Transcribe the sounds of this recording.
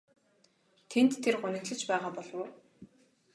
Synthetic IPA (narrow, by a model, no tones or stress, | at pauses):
t̪ʰent̪ʰːerɢʊnɘ̆k̪ɮɘ̆t͡ɕpæːʁaːpɔɮɞ̆w